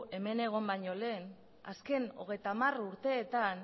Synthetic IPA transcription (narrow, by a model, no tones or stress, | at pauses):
e̞me̞ne̞ɣ̞o̞mbajɲo̞le̞ːn | a̰ske̞no̞̰ɣ̞e̞jt̪amaruɾt̪e̞ːt̪an